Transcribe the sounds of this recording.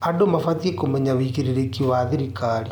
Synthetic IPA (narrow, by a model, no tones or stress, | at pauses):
adomafat̪iekomɛɲaβiɣiɾiɾekiwaːðiɾikaːɾi